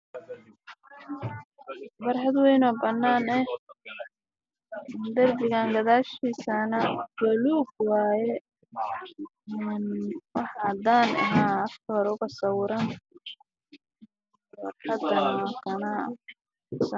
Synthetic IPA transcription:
bɐɾħɐd̪wɛjnɔːbɐnːaːnɛh | d̪ɐrbɪɣaːŋɡɐðaːʃiːsɐnɐɡ̥ɛluːɡwɑːjɛ | ɪnwɑħɑd̪aːnɐ̰ɦaːɐfkʰɔːɾʊɣɐsɐwʊɾan | fɐrħɑd̪ɐnɐkʰɐnɐ̰ | sɐ

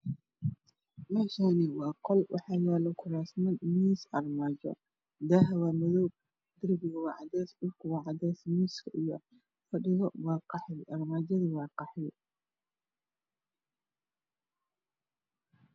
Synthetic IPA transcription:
mɛːʃanɪwɑːqɔlwʔɑ̰ħɑːjaːlɔkʰʊɾaːsmɐnmiːsʔɐrmaːd͡ʒɐ̰ | d̪aɦɐwaːmɐðɔːb̚ | d̪ɪrbɪɣɐwɑːʕɑd̪ɛːsʊrkʰʊwɑːʕɑdɛːsmiːskʰɐʔijɔ | fɐɖɪɣɔwɑːqɑħjʔɐrmaːd͡ʒɐðiwɑːqɑħɪj

